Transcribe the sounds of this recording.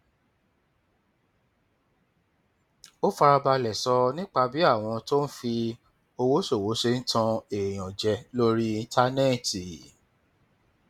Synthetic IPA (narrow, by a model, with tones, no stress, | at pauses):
o˦fa˧ɾa˧ba˧lɛ˨sɔ˧nĩ˦k͡pa˧bi˨˦a˦˨w̃ɔ̃˧to˦n̩˦fi˧ | o˧wo˨˦ʃo˦˨wo˨˦ʃe˧n̩˦tʰã˧e˨j̃ɔ̃˨d͡ʒɛ˧lo˦ɾi˦i˧˦tʰa˦nɛ˦˨ti˨